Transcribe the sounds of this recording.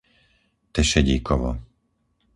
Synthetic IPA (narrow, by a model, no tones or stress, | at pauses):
t̪ɛʃɛɟiːkʰɔʋɔ̰